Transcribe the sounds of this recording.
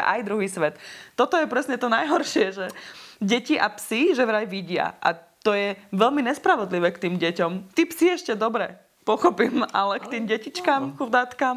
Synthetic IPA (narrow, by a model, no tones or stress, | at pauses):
ʔa̰jd̪ɾuɦiːsʋɛt̪ːɔt̪ɔjɛpɾɛsɲɛt̪ɔnajɦɔɾʃɪɛʒɛɟɛciʔapsiʒɛʋɾajʋiɟɪa̰ʔa̰t̪ɔjɛʋɛʎmiɲɛspɾaʋɔd̪liʋɛːkt̪iːmɟɛcɔmt̪iːpsiɛʃcɛd̪ɔbɾɛ | pɔxɔpimʔalɛkt̪iːmɟɛcit͡ʃkaːmxud̪aːt̪kaːm